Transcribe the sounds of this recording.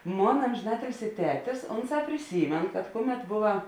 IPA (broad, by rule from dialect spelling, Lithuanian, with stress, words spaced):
ˈmoːnɐ ˌɐmʲʒʲɪˈnɑːtʲɪlʲsʲɪ ˈtʲæːtʲɪs ˈoːnˌsɑː pʲrʲɪˈsʲiːmʲeːn kɐt ˈkʊˌmʲɛt ˈboːʋɐ